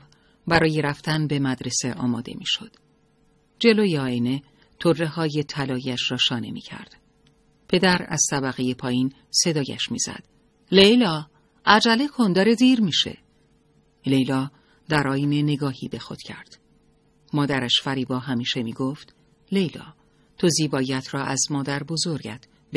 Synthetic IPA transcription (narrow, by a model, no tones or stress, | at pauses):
bæɾɒːje̞ɾæft̪ænbe̞mæd̪ɾe̞se̞ʔɒːmɒ̰ːd̪e̞̰mḭʃo̞̰d̪̥ | d͡ʒe̞lojeɒːene̞ | t̪ʰorːe̞hɒːje̞t̪ʰælɒːjæʃrɒːʃɒːne̞̰mḭːcʰæ̰ɾd̪̥ | pʰe̞d̪æɾæ̰z̥t̪ʰæbæɣe̞je̞pʰɒːjin | se̞d̪ɒːjæ̰ʃmḭz̥æ̰d̪̥ | lejlɒː | æd͡ʒælekʰond̪ɒːɾe̞d̪iːɾmiʃe̞̰ | le̞jlɒː | d̪æɾʔɒːjne̞ne̞ɡɒːhiːbe̞xo̰d̪̥cʰæ̰ɾd̪̥ | mɒːd̪æɾæʃfæɾiːbɒːɦæmiːʃe̞miːɡoft̪ | le̞jlɒ̰ː | t̪ʰoziːbɒːjæt̪ʰɾɒːʔæzmɒːd̪æɾbo̞zo̞ɾɟæ̰t̪ʰ | b